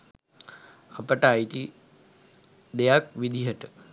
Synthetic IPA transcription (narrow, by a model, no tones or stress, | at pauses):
ɐpɐʈaːjt̪i | d̪ejak̚ʋid̪ʱiɦɐʈə